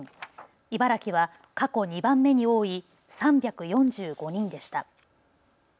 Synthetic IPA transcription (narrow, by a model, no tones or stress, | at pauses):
ibaɾakʲiβ̞a | kako̞ɲ̟ibãmːe̞ɲ̟io̞ːi | sãmbʲjakɯ̟jõ̞ɲd͡ʑɨːɡo̞ɲ̟ĩnd̪e̞ɕi̥t̪a